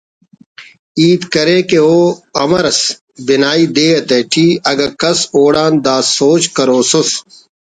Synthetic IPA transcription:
iːt̪kɐɾeːkeoːɐmɐɾɐs | bɪnaːiːd̪eːɐt̪eʈʰiːɐɡɐkɐsoːɽãːnd̪aːsoːt͡ɕkɐɾoːsos

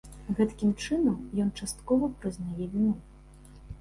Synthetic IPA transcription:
ɣɛt̪kʲimt͡ʂɨnɐmjɔnt͡ʂast̪kɔvɐpɾɨznajɛvʲinu

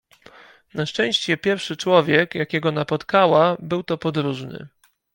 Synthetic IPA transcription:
naʂt͡ʂɛ̃w̃ɕt͡ɕɛpʲjɛɾfʂɘt͡ʂwɔvʲjɛkjakʲɛɡɔnapɔt̪kawabɘwt̪ɔpɔd̪ɾuʐnɘ̰

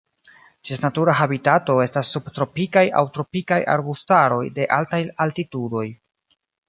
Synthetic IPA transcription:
d͡ʒesnatuɾaɦabitato̞e̞stasːubtɾo̞pikaja̰wtɾo̞pikajʔa̰ɾbustaɾo̞jde̞ʔaltajaltitudo̞j

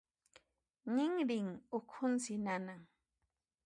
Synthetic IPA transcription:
ŋɪŋɾɪŋʊkʰʊnsɪnanaŋ

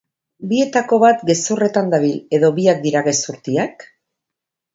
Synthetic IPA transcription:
bie̞t̪ako̞βat̪ɡe̞sure̞t̪and̪aβile̞ðo̞βiak̚d̪iɾaɣe̞suɾt̪iak

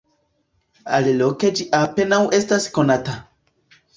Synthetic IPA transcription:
a̰liloked͡ʒiʔape̞nawʔe̞staskonata

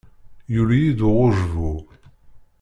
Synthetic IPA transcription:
juljid̪ʊʁoʒvu

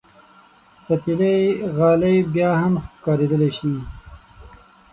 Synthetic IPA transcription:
pat̪ileɣɑlajbjɑːhamxkɑːɾed̪əleʃi

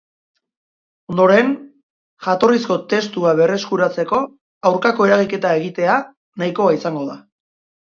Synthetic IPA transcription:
o̞nd̪o̞ɾe̞n | ʝat̪o̞risko̞t̪e̞st̪uaβe̞re̞skuɾat͡se̞ko̞ | awɾkako̞e̞ɾaɣike̞t̪ae̞ɣit̪e̞a | najko̞aisaŋɡo̞ða

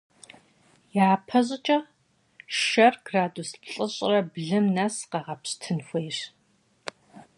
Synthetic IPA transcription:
jaːpʰɐʑʼɪt͡ʃʼɐ | ʃɐrɡ̥raːdusɬʼɨɕʼrɐbɮɨmnɐsqɐʁɐpɕtʰɨnxʷejʂ

